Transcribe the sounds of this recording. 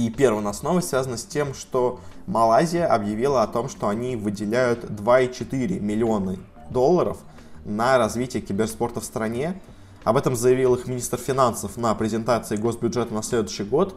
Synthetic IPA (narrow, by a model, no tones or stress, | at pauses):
ipʲe̞rvənɐsno̞vəsvʲazənəsʲtʲe̞mʂt̪o̞mɐlˠazʲɪjəʔɐbjɪvʲilˠəɐt̪o̞mʂt̪o̞ɐnʲivɨdʲɪlʲæjʊt̪d̪vait͡ɕɪt̪ɨɾʲɪ̰mʲɪlʲɪo̞nə | d̪o̞lˠːəɾə̰f | nəɾɐzvʲitʲɪjəkʲɪbʲɪrspo̞rt̪əfst̪ɾɐnʲe̞ | ɐbɛt̪əmzəjɪvʲilˠɨxmʲɪnʲist̪rfʲɪnansəfnəpɾʲɪzʲɪnt̪at̪sɨɪɡo̞sbʲʊdʐɛt̪ənɐsʲlʲed̪ʊɕɪjɡo̞t̪